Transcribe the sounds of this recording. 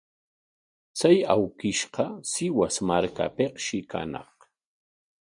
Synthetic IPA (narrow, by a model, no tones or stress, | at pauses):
t͡sajawkɪʃqɑsɪwasmaɾka̰peqʃɪka̰nɑ̰χ